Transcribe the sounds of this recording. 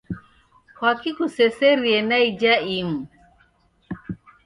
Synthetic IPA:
kwakikusɛsɛɾiɛnaid͡ʒaim̩

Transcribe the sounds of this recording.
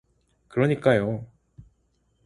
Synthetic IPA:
kɯɾoɲik͈ːajo

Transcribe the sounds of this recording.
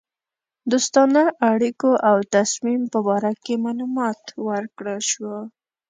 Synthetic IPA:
d̪ost̪ɑnaʔaɽikoʔawt̪asmimpəbɑɾakemɑlumɑt̪wəɾkɽəlʃwo

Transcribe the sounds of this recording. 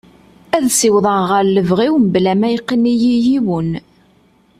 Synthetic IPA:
æðsiwðˤəʁəɾləvʁiwmblæmæjqːənijijiwən

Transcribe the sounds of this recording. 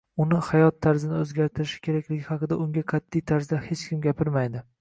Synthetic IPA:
ʊnɪhajɒt̪ʰːaɾzɪnɪɵzɡʲaɾt̪ʰɪɾɪʃɪ̥kʲʰe̞ɾakʲlɪɡʲɪhɑqɨd̪aʊŋɡʲaqʰɑt̪ʰːijt̪ʰaɾzd̪ahe̞t͡ʃkʲɪmɡʲapʰɪɾmajd̪ɪ

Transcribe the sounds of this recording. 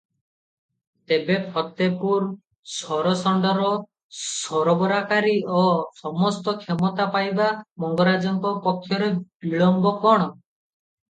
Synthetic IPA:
t̪ebepʰɔt̪epuɾ | sɔɾɔsɔɳɖɔɾɔ | sɔɾɔbɔɾakaɾiɔsɔmɔst̪ɔkʰemɔt̪apajbamɔŋɡɔɾad͡ʒɔŋkɔpɔkʰːjɔɾeb̥iɭɔmbɔkɔɽ̃ɔ

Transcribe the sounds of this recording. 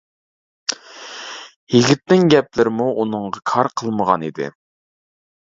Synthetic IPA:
jiɡʲit̪ːɪŋɡʲɛplɪɾɪmuʔunɨŋʁɑkʰɑɾqʰəlˠməʁɑ̰nid̪ɪ̰

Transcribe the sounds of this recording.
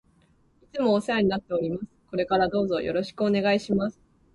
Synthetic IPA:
it͡sɨmo̞ːseaɲ̟inat̪ːe̞o̞ɾʲimasɨ̥ko̞ɾe̞kaɾad̪o̞ːzo̞jo̞̰ɾo̞ɕi̥kɯo̞ne̞ɡaiɕimasɨ̥

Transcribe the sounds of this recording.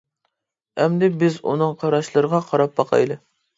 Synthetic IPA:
ɛmd̪ɪbɪzṵnɨŋqʰɑɾɑʃlˠɨɾəʁɑqʰɑɾɑp̚bɑqʰɑ̰jd̪ɨ

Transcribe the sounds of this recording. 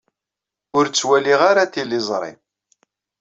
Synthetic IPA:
ʊɾt͡sːwæliʁaɾat̪ilɪzˤɾˤɪ̰m

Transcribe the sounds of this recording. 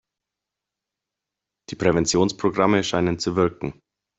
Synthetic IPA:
d̥iːpʁ̥ɛvɛnt͡sjoːnspʁ̥oɡʁaməʃaɪnənt͡suvɪɐkŋ̩

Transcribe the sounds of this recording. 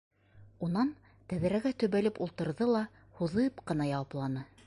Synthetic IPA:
unɑn | t̪æðɘ̆ɾæɡæt̪ɵ̆βælɘpulˠt̪ɤ̆ɾðɤlˠɑ | huðɤpqɤ̆nɑjɑwɑplˠɑnɤ

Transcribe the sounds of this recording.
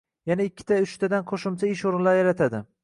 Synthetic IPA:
janaɪkʲʰːɪ̥t̪ʰaʊʃt̪ʰad̪anqʰoʃɪmt͡ʃʰaɪʃoɾɪnlaɾjaɾat̪ʰad̪ɪ

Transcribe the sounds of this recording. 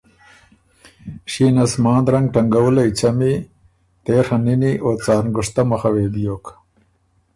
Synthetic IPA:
ʃiːnɐsmɑːnd̪ɾɐŋɡ̚ʈɐŋɡɐwulɐjt͡ɕɐmi | t̪eːhɐniniʔoːt͡sɑːɾnɡʊʂt̪ɐmɐxɐweːd̪ijoːk

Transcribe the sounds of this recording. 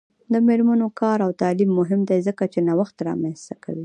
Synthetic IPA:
d̪əmeɾmanokʰɑɾawt̪ɑlimːʊɦɪmd̪ajzəkat͡ʃenawaxt̪ɾɑ̰mɛnst̪aka̰wi

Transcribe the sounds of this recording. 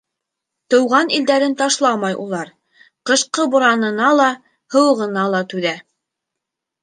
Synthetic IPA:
t̪ɤ̆wʁɑnild̪æɾɘnt̪ɑʃlˠɑmɑjʔṵlˠɑɾ | qɤ̆ʃqɤbŏɾɑnɤ̆nɑlˠɑ | hɤ̆wɤ̆ʁɤ̆nɑlˠɑt̪ʉðæ

